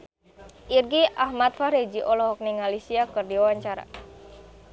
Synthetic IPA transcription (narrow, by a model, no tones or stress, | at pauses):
ʔirɡiʔahmat̪̚faɾed͡ʒiʔɔlɔɦɔk̚niŋalisiakɨrdiawaɲt͡ʃaɾa̰